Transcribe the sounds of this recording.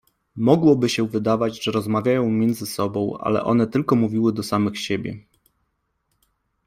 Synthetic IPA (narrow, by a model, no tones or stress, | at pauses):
mɔɡwɔbɘɕɛvɘd̪avad͡ʑʐɛɾɔzmavʲjajɔ̃w̃mʲjɛnd̪zɘsɔbɔ̃w̃a̰lɛ̰ʔɔ̰nɛt̪ɘlkɔmuvʲiwɘd̪ɔsamɘxɕebʲjɛ̰